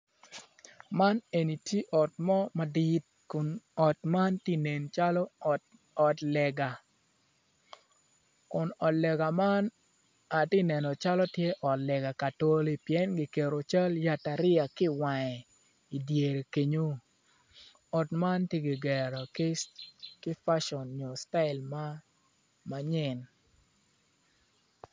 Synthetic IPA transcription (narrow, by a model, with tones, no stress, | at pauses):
ma˦ne˨ni˨te˦ʔɔ˨tmɔ˦ma˨di˦t̚ | kʊ˨nɔ˨tma˦nti˦ne˨nt͡ʃa˦lɔ˦˨t | ɔ˨tlɛ˨ɡa˨ | kʊ˨nɔ˨tlɛ˨ɡa˨ma˦n | a˨tɪ˦nɛ˨nɔ˨t͡ʃa˦lɔ˦tje˦ʔɔ˨tlɛ˨ɡa˨ka˨to˦li˦pjɛ˦nɡɪ˨ke˨ɾo˨t͡ʃa˦lja˨ta˨ɾɪ˦a˨kɪ˦wa˨ŋɛ˨ | i˨dje˨ɾe˨ke˨ɲo˦ | ɔ˨tma˦nti˦ɡɪ˨ɡɛ˨ɾɔ˨kɪ˦skɪ˦fa˦ʃɔ˨nɲo˨sta˦ɪ˨lma˦ | ma˨ɲɪ˦˨n